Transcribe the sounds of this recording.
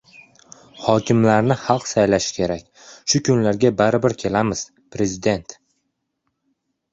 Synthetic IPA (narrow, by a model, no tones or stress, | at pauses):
hɒkʲʰɪmlaɾnɪhɑlˠqsajlaʃɪ̥kʲʰe̞ɾakʲ | ʃʊkʲʰʊnlaɾɡʲabaɾɪbɪɾkʲʰe̞lamɪz̥ | pɾe̞zɪd̪e̞nt̪